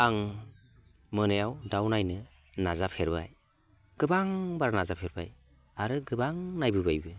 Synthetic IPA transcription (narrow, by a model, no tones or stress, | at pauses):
aŋ | mɯnɯjawdawnajnɯ | nazapʰeɾbaj | ɡ̥ɯbaŋbaɾanazapʰeɾba̰j | aɾɯɡɯbaŋnajbɯbajbɯ